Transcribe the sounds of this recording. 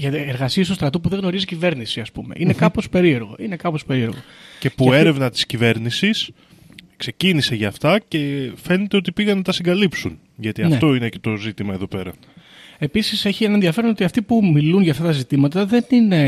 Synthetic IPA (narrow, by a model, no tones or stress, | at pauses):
ʝɐeɾɣɐsiest̪ust̪ɾɐt̪upuðeɣno̞ɾizicive̞ɾnisiɐspume̞̰ʔine̞kɐpo̞spe̞ɾie̞ɾɣo̞̰ʔine̞kɐpo̞spe̞ɾie̞ɾɣo̞̰ce̞pue̞ɾe̞vnɐt̪i̥scive̞ɾnisis | kse̞ciniseʝɐːft̪ɐce̞fe̞ne̞t̪eot̪ipiɣɐnːɐt̪ɐsiŋɡɐlipsun | ʝɐt̪iɐnft̪o̞inecet̪o̞zit̪imɐeðo̞pe̞ɾɐ | e̞pisise̞çie̞nɐnenðiɐfeɾono̞t̪iɐft̪ipumilunʝɐft̪ɐt̪ɐzit̪imɐt̪ɐðe̞nine̞